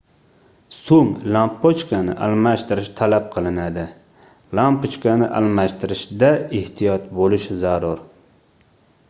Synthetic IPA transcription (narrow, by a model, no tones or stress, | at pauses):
soŋlampːot͡ʃkanɪ̰ʔalˠmaʃt̪ɪɾɪʃt̪ʰalap̚qʰɨlˠɪnad̪ɪ | lampot͡ʃkanɪʔa̰lmaʃt̪ʰɪɾɪʃd̪aɪht̪ʰijɒt̪̚bolɪʃzaɾʊɾ